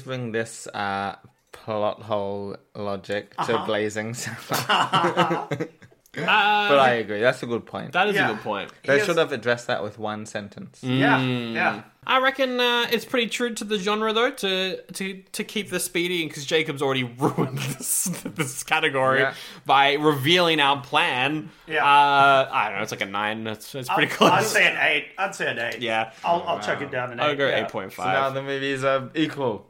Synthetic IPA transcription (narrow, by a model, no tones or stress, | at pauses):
zbɹɪ̃ŋðɪsʌ̰ | pʰlɔ̰t̚ɦoʊlˠlɑd͡ʒɪk̚tʰɨbleɪzɪ̃ŋsʌ̃ | ʌbʌɾaɪɨɡɹiðætsəɡʊd̚pʰɔ̰̃ɪ̃ntðəɾɨzɨɡʊd̚pʰɔ̃ɪ̃ntðeɪʃʊdəvɨdɹɛsðə̰ʔwɪ̰ðwʌ̃nsɛ̃ntʰə̃n̩s | ʔaɪɹɛkɨ̃nʌɪtspʰɹ̥ɪɾitʰɹ̥ʉɾɨðɨd͡ʒɑ̃nɹəðoʊɾɨɾɨɾʰɨkʰip̚ðɪspiɾiɨ̃nkʰʌzd͡ʒeɪkɨbzl̩ˠɹɛɾiɹuə̃nðɪsðɪskʰæɾɨɡɔɹib̥aɪɹɪvilˠɪ̃ŋaʊə˞pʰl̥æ̃n | jæʌaɪɾõ̰noʊətslaɪkɨnã̰ɪ̃nɪtsɨtspɪɾikʰɪseɪɨ̃neɪt̚aɪlseɪɨ̃neɪtjæaɪlˠaɪt͡ʃʰɛkɨt̚d̥ãʊ̃nɨ̃nɡoʊɾɨʔeɪt̚pʰɔ̃ɪ̃ntfa̰ɪnaʊðɨmeɪvizʌikʰwəl̩ˠ